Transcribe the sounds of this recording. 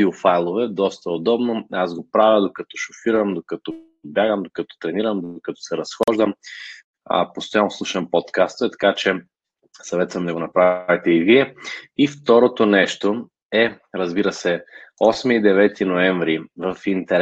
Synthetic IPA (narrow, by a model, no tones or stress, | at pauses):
iofajlˠovɛd̪ɔst̪ɐod̪ɔbnoazɡopɾavʲəd̪okɐt̪ɔ̥ʃofiɾəmd̪okɐt̪ɔ | bjaɡəmd̪okɐt̪ɔ̥t̪ɾɛniɾəmd̪okɐt̪ɔ̥sɛɾɐsxɔʒd̪əm̰ | post̪ojanoslˠuʃəmpɔt̪kast̪ɛt̪ɐ̥kat͡ʃɛ | sɐvɛt̪svɐmd̪ɐɡonɐpɾavit̪ɛiɡɾiɛift̪ɔɾot̪onɛʃt̪o | ɛ | ɾɐzbiɾəsɛɔsmiːd̪ɛvɛt̪inoɛɱvɾivəfint̪ɛɾ